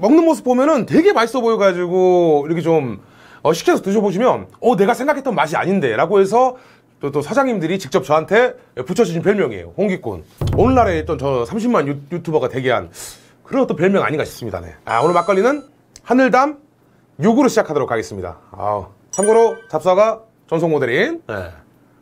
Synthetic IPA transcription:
mʌŋnɯnmos̬ʰɯ̥p̚omjʌnɯntwe̞ɡe̞maɭs͈ʌbojʌɡad͡ʑiɡoiɾʌkʰet͡ɕom | ʌɕʰi̥kʰesʰʌtɯɕ̬ʰʌboɕ̬ʰimjʌnʌne̞ɡasʰeŋɡakʰet͈ʌnmaɕʰia̰ɲinde̞ɾaɡoɦe̞s̬ʰʌ | t͈ot͈osʰad͡ʑaŋimdɯɾit͡ɕik̚t͡ɕ͈ʌp̚t͡ɕʌɦantʰe̞ | put͡ɕʰʌd͡ʑid͡ʑinpjʌɭmjʌŋḛjo̰ɸoŋɡik͈ṵnonːaɾet͡ɕ͈ʌnt͡ɕʌsʰamɕ̬ʰimːanjujutʰubʌɡatwe̞ɡeɦa̰n | kɯɾʌt͈opjʌɭmjʌŋa̰ɲiŋɡaɕʰi̥s͈ɯmɲida̰ne̞̰a̰onɯɭmak͈ʌɭːinɯn | hanɯɭdam | joɡuɾɯɭɕʰid͡ʑakʰadoɾokʰːaɡes͈ɯmɲida̰ʌ̰ | t͡ɕʰamɡoɾot͡ɕap̚s͈aɡa | t͡ɕʌns̬ʰoŋmodeɾinjḛ

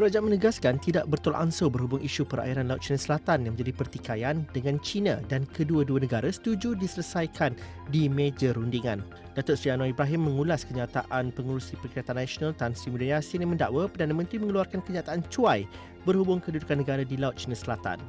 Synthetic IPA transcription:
pəɾad͡ʒaanmə̃nəɡaskant̪idaʔbərt̪olʔansobərɦubʊŋiʃupəɾa̰iɾanlaʊt̪̚t͡ʃinãsəlat̪anjaŋmə̃ɲd͡ʒadipərt̪ikajandəŋãnt͡ʃinã̰dankʰəduəduənəɡaɾasə̥t̪ud͡ʒudisələsajkʰan | dimed͡ʒəɾundiŋã̰n | dat̪ʊrsɾianõibɾaɦɪmːə̃ŋulaskəɲãt̪a̰ʔanpəŋuɾusipərkiɾat̪anːasonãlt̪ansɾimudajasɪnjaŋmə̃nda̰ʔwapərdanãmə̃nt̪ɾimə̃ŋəluarkankəɲãt̪aʔant͡ʃuaj | bərhubʊŋkədudukanːəɡaɾadilaʊt̪̚t͡ʃinãsəlat̪a̰n

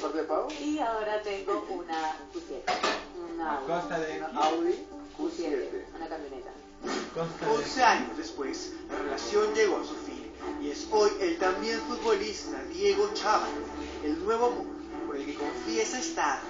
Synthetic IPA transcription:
poɾk̪epawiaoɾat̪eŋɡounafusetaunaost̪aðnawði | ueeeunakamjonet̪a̰ | onseaɲozðespwe̞slare̞lasjo̞nd͡ʒe̞ɣoasufi | ie̞so̞je̞lt̪ambje̞ɱfut̪̚βo̞list̪aðje̞ɣo̞t͡ʃaβalos | elnwe̞β̞o̞mũnd̪ | po̞ɾe̞lke̞ko̞ɱfjesaest̪að

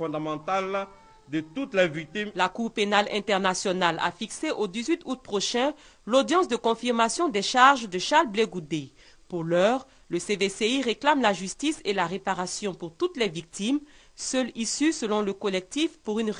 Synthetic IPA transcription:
fɔ̃d̪amɑ̃t̪al | d̪ət̪ut̪lɛvik̚t̪imlakuʁpenalɛ̃t̪ɛʁnasjɔnala̰fikseʔod̪izɥit̪ut̪̚pχoʃɛ̃ | lod̪jɑ̃sd̪əkɔ̃fiʁmasjɔ̃d̪ɛʃaʁʒd̪əʃaʁlbleɡud̪e | puʁlœːʁ | ləseveseiʁeklamlaʒyst̪iselaʁepaʁasjɔ̃puʁt̪ut̪lɛvik̚t̪im | sœlisysəlɔ̃ləkɔlɛk̚t̪ifpuʁyn

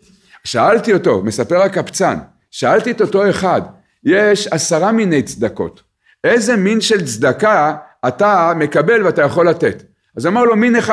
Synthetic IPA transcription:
ʃaaltioto̞̰me̞sapeʁakapt͡san | ʃaalt̪ieto̞to̞e̞χad | jeʃasaʁaminejt͡sd̪ako̞̰t | e̞ze̞minʃe̞lt͡sd̪akaːtame̞kabe̞lveatajaχo̞lːate̞t | azoamaʁlo̞mineχa

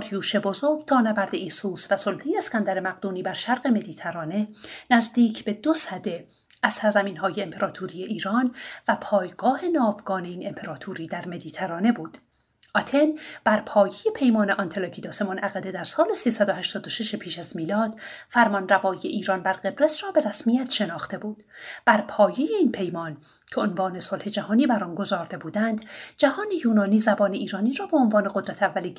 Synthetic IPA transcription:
ɒɾjuːʃe̞bo̞zoɾɡt̪ʰɒːnæbæɾd̪eisuːsvæsolt̪ʰejeːskænd̪æɾe̞mæɣd̪uːniːbæɾʃæɾɢe̞me̞d̪iːt̪ʰæɾɒːne̞næzd̪iːcʰbe̞d̪osæd̪e̞ | æz̥sæɾzæmiːnɦɒːjeːmpʰe̞ɾɒːt̪ʰuɾije̞ʔiːɾɒːnvæpʰɒːjɡɒːhe̞nɒːvɡɒːne̞iːne̞mpʰe̞ɾɒːt̪ʰuːɾiːd̪æɾme̞d̪iːt̪ʰæɾɒːne̞buːd̪̥ | ʔɒt̪ʰe̞nb̥æɾpʰɒːje̞je̞pʰe̞jmɒːneʔɒnt̪ʰelɒːcʰiːd̪ɒːsemonʔæɣæd̪e̞d̪æɾsɒːlesiːsæd̪ohæʃt̪ɒːd̪oʃeʃepʰiːʃæzmiːlɒːd̪̥fæɾmɒnrævɒːijeʔiːɾɒːnbæɾɢe̞bɾet̪rɒːbe̞ɾæsmijæt̪ʰʃe̞nɒːxt̪e̞buːd̪̥b̥æɾpʰɒːje̞jeiːnpʰe̞jmɒːn | cʰe̞onvɒːne̞so̞lhe̞d͡ʒæhɒːniːbæɾɒːnɡo̞zɒːɾd̪e̞buːd̪ænd̪d͡ʒæhɒːne̞juːnɒːniːzæbɒːneiːɾɒːniːɾɒːbe̞onvɒːneɡo̞d̪ɾæt̪ʰævːæli

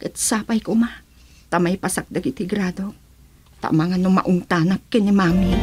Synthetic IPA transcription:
kɛt̪saːpajkoma | t̪amajpasak̚d̪aɡɪt̪hɪɡɾad̪o | t̪a̰ʔmaŋanoma̰ʔʊŋt̪anap̚kɛnɪmaːmi

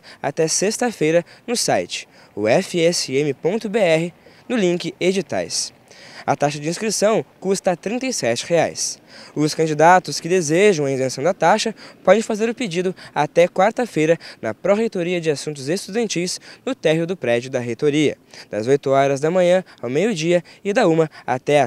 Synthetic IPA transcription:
a̰t̪ɛsest̪ɐfejɾɐnʊsa̰jt͡ʃɪ̥ | ʊ̰ɛfɪɛsɪẽmɪpõnt̪ʊbeɛɦɪnʊlĩkɪed͡ʒit̪a̰js | ɐ̰t̪aʃɐd͡ʒɪĩskɾisɐ̃w̃kust̪ɐt̪ɾĩnt̪ɐjsɛt͡ʃɪ̥hea̰jsʊskɐ̃nd͡ʒid̪at̪ʊskɪd̪ezeʒɐ̃w̃ɐĩzẽsɐ̃w̃d̪ɐt̪aʃɐpɔd̪ẽfazeɾʊped͡ʒid̪ʊat̪ɛkwaɾt̪ɐfejɾɐnɐ̰pɾoɦejt̪oɾiɐd͡ʒɪasũnt̪̬ʊzest̪ud̪ɐ̃nt͡ʃijsnʊt̪ɛɦiʊd̪ʊpɾɛd͡ʒʊd̪ɐɦet̪oɾiɐ̰d̪̥ɐzojt̪ʊɔɾɐzd̪ɐmɐ̃ɲɐ̃awmejʊd͡ʒiɐɪd̪ɐũmɐa̰t̪ɛa

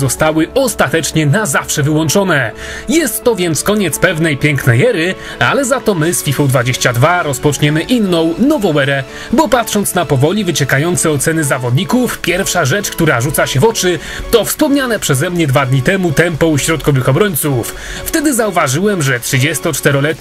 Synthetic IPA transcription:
zɔst̪awɘɔst̪at̪ɛt͡ʂɲɛnazafʂɛvɘwɔnt͡ʂɔnɛ | jɛst̪ːɔvʲjɛnt̪skɔɲɛt̪spɛvnɛjpʲjɛŋknɛjɛɾɘ | a̰lɛzat̪ɔmɘsfʲifɔ̃w̃d̪vad͡ʑeɕt͡ɕad̪vaɾɔspɔt͡ʂɲɛmɘʔinːɔ̃w̃nɔvɔwɛɾɛ | bɔpat̪ʂɔnt̪snapɔvɔlʲivɘt͡ɕɛkajɔnt̪sɛɔt̪sɛnɘzavɔd̪ɲikufpʲjɛɾfʂaʐɛt͡ʂkt̪uɾaʐut̪saɕɛvɔt͡ʂɘ | t̪ɔfspɔmɲanɛpʂɛzɛmɲɛd̪vad̪ɲit̪ɛmut̪ɛmpɔ̃wɕɾɔt̪̚kɔvɘxɔbɾɔɲʲt̪suf | ft̪ɛd̪ɘzauvaʐɘwɛmʐɛtʂɨd͡ʑɛst̪ɔt͡ʂt̪ɛɾɔlɛt̪

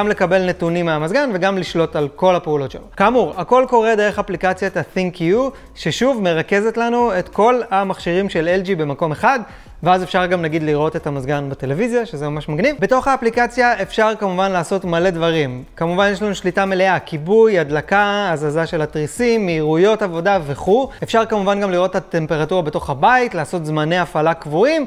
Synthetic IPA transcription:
ɡamle̞kabe̞lne̞tunimeamazɡanve̞ɡamliʃlo̞talko̞lhapeulo̞tʃḛnukamuʁako̞lko̞ʁed̪e̞ʁeχaplikat͡sjat̪aθiŋkʰiu | ʃe̞ʃuvme̞ʁake̞ze̞tlanue̞tko̞lhamaχʃiʁimʃe̞leld͡ʒibe̞mako̞me̞χad | veaze̞fʃaʁɡamnaɡid̪liʁo̞te̞tamazɡanbate̞le̞vizjaʃezemamaʃmaɡnivbe̞to̞χaːplikat͡sjae̞fʃaʁkamuvanlaːso̞tmale̞dvaʁimkamuvanjeʃlanuʃlitameleakibujadlakaːzazaʃe̞lhatʁisimːiiʁujo̞tavo̞dave̞χue̞fʃaʁkamuvanɡamliʁo̞tat̪e̞mpe̞ʁatuʁabe̞to̞χhabaitlaːso̞t̪zmane̞afalakvuim

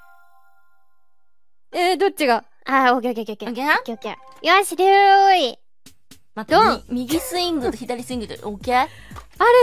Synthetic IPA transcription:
ed̪o̞t̚t͡ɕiɡa | aokʲeokeokeokeokeãkeoke | jiβaɕiɾɯi | mat̪d̪õmʲiɡʲisɨĩŋɡɯoçid̪aɾʲisɨĩŋɡɯt̪o̰okeaɾe

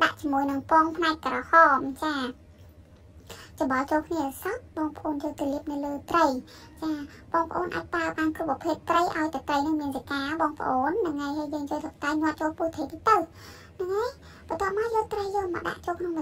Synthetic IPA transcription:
ɗa̰ʔt͡ɕiəmuəjnɨŋpoɔŋpʰnaɛc̚kərɑːhɑːmt͡ɕaː | t͡ɕɑɓɑlt͡ɕoːlkʰniəʔsɑt̪̚ɓɑːŋpə̆ʔoːnjoːlt̪iəliəp̚nɨwləːt̪rəj | t͡ɕaːɓɑːŋpʰə̆ʔoːnʔa̰ːc̚praəɓaːnkrupːpʰeːp̪̚ːrəjʔaɔjt̪ət̪rəjnɨŋmiənsakaːɓɑːŋpə̆ʔoːnnɨŋːajhəːjjəːŋjoːjsək̚t̪ajnŏət̪̚t͡ɕoːlpuːt̪ʰeːp̪it̪əw | nɨŋːaj | ɓət̪ŏəp̚maəjoːlt̪rəjːoːlmɑ̰ɗa̰ʔt͡ɕoːlkʰnoŋɓ

